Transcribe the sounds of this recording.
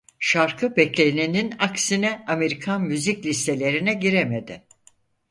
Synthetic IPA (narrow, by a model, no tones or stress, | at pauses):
ʃaɾkʰɯbɛclʲenininaksinɛame̞ɾikʰanmyziclʲist̪e̞lʲe̞ɾinɛɟiɾemed̪ɪ